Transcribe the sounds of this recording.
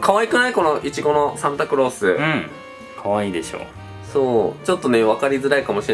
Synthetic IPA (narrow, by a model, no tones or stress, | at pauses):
kʰaβaikɯ̟naiko̞no̞ʔit͡ɕiɡo̞no̞sãmt̪akɯ̟ɾo̞ːsɨɯ̃ | kʰaβaiːd̪e̞ɕo̰ː | so̞ːt͡ɕo̞t̪ːo̞neβakaɾʲizɨɾaikamoɕie